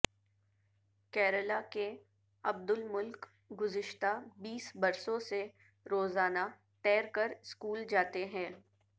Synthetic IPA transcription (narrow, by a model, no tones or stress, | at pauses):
kɛːɾəlake | ɐb̚d̪ʊlmʊlk | ɡʊzɪʃt̪abiːsbɐɾsõse | ɾoːzaːna | t̪ɛːɾkəɾskuːld͡ʒaːt̪eɦɛ̃ː